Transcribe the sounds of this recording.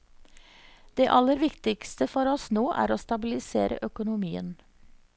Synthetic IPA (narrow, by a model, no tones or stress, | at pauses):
d̪̥eːʔɑləɾʋɪkt̪ɪkst̪əfɔɾɔsnoːʔæ̰ːɾoːst̪ɑbɪlɪsḛːɾə̰ʔœkʊnʊmiːə̰n